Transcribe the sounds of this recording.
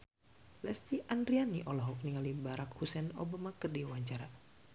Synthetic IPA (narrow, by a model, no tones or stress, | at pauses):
lɛst̪iʔandɾianiʔɔlɔɦɔk̚niŋalibaɾakhusɛno̰bamakərdiwaɲt͡ʃaɾa